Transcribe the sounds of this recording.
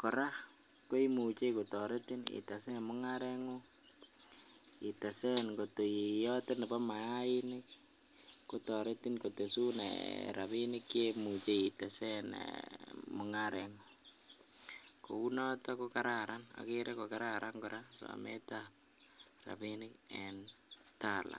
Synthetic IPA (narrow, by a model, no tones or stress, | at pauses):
kɔɾa | koimut͡ʃekotɔɾetinḭtasɛmʊŋaɾeŋo | itasɛnkotojijɔtenɛbɔmajainɪk | kutɔɾetinkotesunḛɾaβinɪkjemut͡ʃeitasɛnḛmʊŋaɾɛŋo | kounɔtɔkokaɾaɾana̰keɾekokaɾaɾʔaŋkoɾasa̰mḛtap̚ | ra̰pinɪkɛntala̰